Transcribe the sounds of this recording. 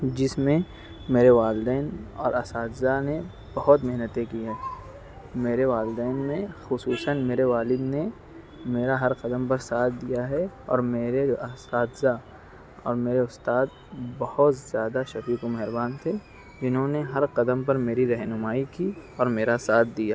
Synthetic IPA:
d͡ʒɪsmẽ | meːɾeʋaːld̪ɛːnɔ̰ːɾɐsaːd̪zane | bɐɦʊt̪mɛɦnət̪ẽkiɦɛː | meːɾeʋaːlɪd̪ɛːnmẽxʊsuːsənmeːɾeʋaːlɪd̪ne | meːɾaɦɐɾqɐd̪əmpɐɾsaːt̪̚ʰd̪ijaɦɛɔ̰ːɾmeːɾeɐsaːd̪za | ɔ̰ːɾmeːɾeʊst̪aːd̪̚ | bɐhʊt̪zjaːd̪aʃɐfiːkomɛɦɪɾbaːnt̪ʰe | d͡ʒɪnɦõneɦɐɾqɐd̪əmp̬ɐɾmeːɾiɾɐɦnʊmaːikiɔːɾmeːɾasaːt̪̚ʰd̪ijaː

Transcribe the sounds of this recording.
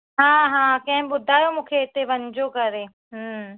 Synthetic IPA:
ɦãːɦãːkɐ̃ɦɪ̃ɓʊd̪ʱaːjomũːkʰeɪt̪eʋɐɲd͡ʑokɐɾeː | ɦ

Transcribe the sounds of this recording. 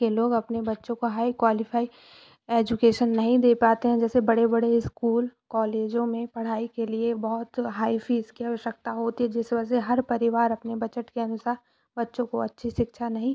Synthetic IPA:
eloːɡɐpnebɐtːʃõkoɦaːikwaːlɪfaːi | eːd͡ʒʊkeːʃənːɐɦĩd̪eːpaːt̪eɦɛ̃d͡ʒɛːsebɐɽebɐɽeɪskuːlkɔːleːd͡ʒõmẽpɐɽ̤aːikeliebɔɦʊt̪ɦaːifʰiːzkiaːʋəʃjək̚t̪aɦoːt̪iɦɛd͡ʒɪsbɛs̬eɦɐɾpɐɾɪʋaːɾɐpnebɐt͡ʃəʈkeɐnʊsaːɾ | bɐtːʃõkoɐtːʃʰiʃɪkʃʰanɐɦĩ

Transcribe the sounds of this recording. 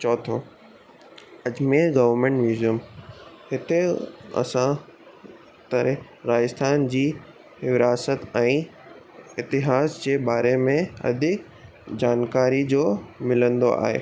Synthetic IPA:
t͡ɕɔːt̪ʰoː | ɐd͡ʑmẽɡɐʋəɾmẽɳʈʋjuːzijəm | hɪt̪eɐ̰sã | t̪ɐɾe | ɾaːjəst̪ʰaːnd͡ʑiː | ʋɪɾaːsət̪ɛ̃ː | ɪt̪ɪɦaːsd͡ʑeːbaːɾemẽɐ̰d̪ʱɪk | d͡ʑaːnkaːɾid͡ʑoːmɪlə̃nd̪o̰ʔa̰ːɦḛː

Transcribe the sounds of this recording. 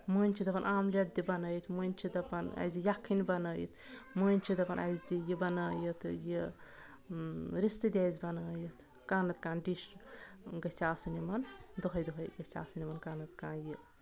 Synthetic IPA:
muːnʲt͡ʃʰid̪ɐpɐnʔaːmleʈ̚d̪ibɐnəːjit̪ʰmunʲt͡ʃʰid̪ɐpɐnɐ̰zijɐkʰːinibɐnəːjḭt̪ʰ | muːnʲt͡ʃʰid̪ɐpɐnʔɐ̰zd̪ijibɐnəːjət̪ʰji | ɾist̪ɨd̪ʲazʲbɐnəːjit̪ʰ | kaːnɐt̪̚kãːnɖiʃ | ɡɐsʲaːsɨnimɐnd̪oɦɐjd̪oɦɐjɡɐsʲa̰ːsɨnimɐnkaːnɐt̪kãːnji

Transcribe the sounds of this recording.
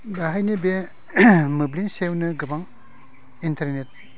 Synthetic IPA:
baɦajnibe | mɯblinsewnɯɡɯbaŋ | intʰaɾnet̚

